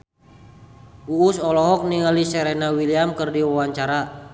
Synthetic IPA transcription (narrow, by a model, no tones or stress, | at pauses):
uːsɔlɔɦɔk̚niŋalisɛɾɛnawiliamkərdiwawaɲt͡ʃaɾa